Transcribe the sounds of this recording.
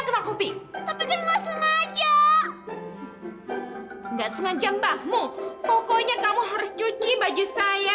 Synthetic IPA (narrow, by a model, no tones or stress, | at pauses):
kənakupit̪apikanŋaʔsəŋad͡ʒa | ŋɡaʔsəŋaɲd͡ʒambahmupɔkɔɲakamuɦaɾʊst͡ʃut͡ʃibad͡ʒisaja